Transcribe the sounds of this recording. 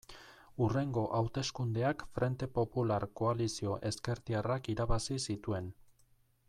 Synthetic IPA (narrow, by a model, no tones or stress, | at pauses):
ure̞ŋɡo̞ʔawt̪e̞skund̪e̞akfɾʔe̞nt̪e̞po̞pulaɾko̞alisio̞ʔe̞ske̞ɾt̪iarakiɾaβasisit̪ue̞n